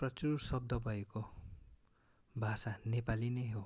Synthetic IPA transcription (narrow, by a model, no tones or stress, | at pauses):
prʌt͡sursʌb̚d̪ʱʌbʱʌeko | bʱasanepalinʌjɦo